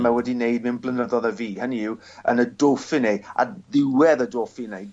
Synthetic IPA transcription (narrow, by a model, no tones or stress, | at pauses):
mawɛdinejd̚nɪmpʰlənəðɔðəviːhəniɪw | ə̰nədoːfineja̰ðɪwɛðədoːfinej